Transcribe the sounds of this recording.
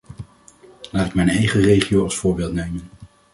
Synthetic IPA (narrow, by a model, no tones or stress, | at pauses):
laːtɪkmɛjnɛjχərejχiowɑlˠsfʊːɹbɪːlˠtnejmən